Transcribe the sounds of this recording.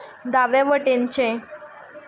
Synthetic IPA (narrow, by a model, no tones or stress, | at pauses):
d̪aʋeʋəʈent͡ɕẽ